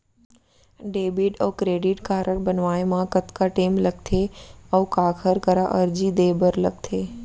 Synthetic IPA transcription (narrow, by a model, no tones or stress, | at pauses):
ɖeːbiʈəːkɾeːɖɪʈkaːɾʔəɽ̚bənʋaːemãkɐt̪kaʈeːmlɐɡ̚t̪ʰeɐːkaːkʰəɾkəɾaʔɐɾd͡ʑid̪eːbəɾləɡ̚t̪ʰeː